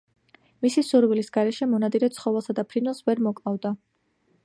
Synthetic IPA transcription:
misisuɾvilisɡaɾɛʃɛmɔnad̪ʼiɾɛt̪sʰχɔvɛlˠsad̪apʰɾinwɛlˠsvɛɾmɔkʼavd̪a

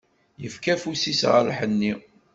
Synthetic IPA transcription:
jəfkæfusisʁa̰ɾaħənːi

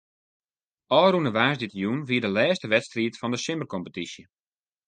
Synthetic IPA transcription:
ʔɔːrunəʋaːsditəjunʋiədəlɛːstəʋɛtstriətfɔndəsɪmərkɔmpətisjə

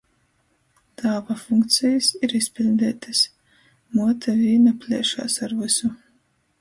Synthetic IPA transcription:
t̪ʰaːvafuŋkt̪sʲijasiɾispʲilʲd̪ɛːt̪as | muɔt̪ʰavʲiːnapʲlʲɛɛʃa̰ːsaɾvɨsu

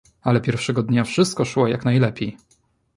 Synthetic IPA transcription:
alɛpʲjɛɾfʂɛɡɔd̪ɲafʂɘst̪̚kɔʂwɔjaknajlɛpʲjej

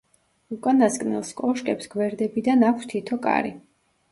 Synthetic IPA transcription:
ukʼanaskʼnɛ̰lˠskʼɔʃkʼɛpsɡwɛɾd̪ɛbid̪anakʷʰst̪ʰit̪ʰɔkʼa̰ɾḭ

